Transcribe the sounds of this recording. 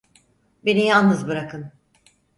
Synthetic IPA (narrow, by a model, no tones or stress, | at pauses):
be̞nijalˠnɯzbɯɾakʰɯn